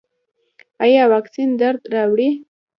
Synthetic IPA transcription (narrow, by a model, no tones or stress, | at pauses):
ajɑwaksind̪aɾd̪ɾɑwɽi